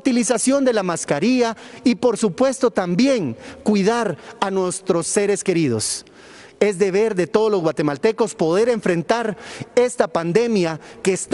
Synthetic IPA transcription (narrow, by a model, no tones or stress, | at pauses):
t̪ilisasjo̞nd̪e̞lamaskaɾiaipo̞ɾsupwe̞st̪o̞t̪ambje̞ŋkwiðaɾanwe̞st̪ɾo̞sːe̞ɾe̞ske̞ɾið̞o̞s | e̞zd̪e̞βe̞ɾðe̞t̪o̞ð̞olozɣwat̪e̞malt̪e̞ko̞spo̞ðe̞ɾe̞ɱfɾe̞nt̪aɾe̞st̪apand̪e̞mjakest̪